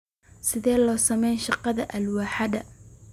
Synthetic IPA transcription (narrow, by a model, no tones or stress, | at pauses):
sɪðɛːlɔːsɐmɛjnʃɑqɑðɐʔɐlwaːħɑðɐ